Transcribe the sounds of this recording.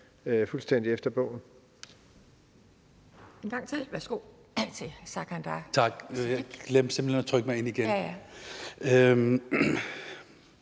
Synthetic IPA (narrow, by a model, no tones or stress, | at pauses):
øfulsd̥en̰d̥iefd̥ɐb̥ɔ̽ʊ̰n̩ | enɡ̥ɑ̈ŋt͡sʰe̝ʋæsɡ̥o̝ | t͡sʰe̝sækʰænd̥ɑt͡sʰɑ̈ɡ̥jaɡ̥lemsemb̥l̩henɐt͡sʰʁœɡ̥əmɑɪe̝niɡ̥en | ø